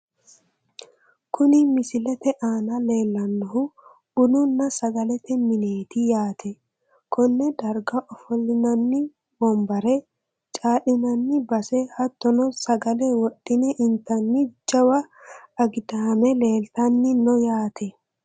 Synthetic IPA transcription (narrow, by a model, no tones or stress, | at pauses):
kʊnɪmɪsɪlɛt̪ɛʔaːnɐleːlːɐnːɔɦʊ | ʊnʊnːɐsɐɡɐlɛt̪ɛmɪneːt̪ɪjaːt̪ʰɛ | kʰɔnːɛd̪ɐɾɡɐʔɔfɔlːɪnɐnːɪ | bɔmbɐɾɛ | t͡ʃʼaːɗɪnɐnːɪbɐsɛhɐt̪ːɔnɔsɐɡɐlɛwɔɗːɪnɛʔɪnt̪ɐnːɪd͡ʒɐwɐːɡd̪ɐːmɛle̞ːlt̪ɐnːɪnɔjaːt̪ʰɛ